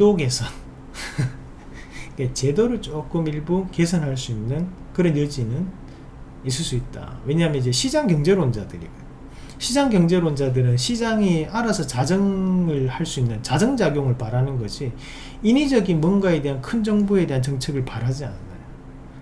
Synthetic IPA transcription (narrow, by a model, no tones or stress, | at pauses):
toɡe̞sʰʌn | iket͡ɕe̞doɾɯɭt͡ɕ͈ok͈ɯmiɭbuke̞sʰʌnɦaɭs͈uinːɯnkɯɾʌnjʌd͡ʑinɯn | is̬͈ɯɭs͈uit̚t͈a̰we̞ɲaɦmjʌnid͡ʑe̞ɕʰid͡ʑaŋkjʌŋd͡ʑe̞ɾond͡ʑadɯɾḭɡo | ɕʰid͡ʑaŋkjʌŋd͡ʑe̞ɾwond͡ʑadɯɾɯnɕʰid͡ʑaŋiaɾasʰʌt͡ɕad͡ʑʌŋɯɭhaɭs͈uinːɯnt͡ɕad͡ʑʌŋd͡ʑaɡjoŋɯɭpaɾanɯnɡʌɕʰi | inid͡ʑʌɡinmwʌnɡae̞de̞ɦankʰɯnd͡ʑʌŋbue̞de̞ɦant͡ɕʌŋt͡ɕʰeɡɯɭpaɾɦad͡ʑia̰nnːajo